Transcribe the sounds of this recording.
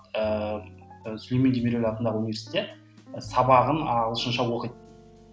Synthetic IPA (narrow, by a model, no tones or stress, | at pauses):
ə | sʏlmend̪emeɾelɑt̪ənd̪ɑʁəunivʲeɾsi̥t̪ːet̪ | sɑbɑʁənɑlˠəʃənʃɑwo̞qijt̪